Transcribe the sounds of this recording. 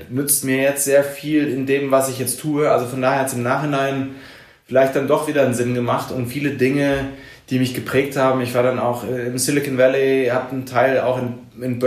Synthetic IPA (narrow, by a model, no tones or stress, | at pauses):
nʏt͡stmiːɐjɛt͡stz̥eːɐfiːlɪndeːmvasɪçjɛt͡stʰuːəʔalzofɔndaːheːɐhatsɪmnaːχhɪnaɪn | fɪlaɪçt̚d̥andɔχv̥iːdɐnzɪnɡəmaχtʊmfiːlədɪŋə | d̥iːmɪçɡ̥əpʁ̥ɛːk̚thaːbm̩ɪçv̥aːɐɾana̰ʊxɛɪmsɪlɪkənvɛlihapntʰaɪla̰ʊxɪn | ɪnb